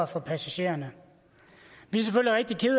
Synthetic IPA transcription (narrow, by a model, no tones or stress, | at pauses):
ɐfɒ̽pʰæsæɕe̝̰ːɐnə | ʋis̬eføl̰liʁeɡ̥̚d̥ikʰe̝ðˠ